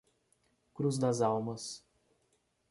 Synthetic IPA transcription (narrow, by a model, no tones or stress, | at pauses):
kɾuzd̪ɐzawmɐs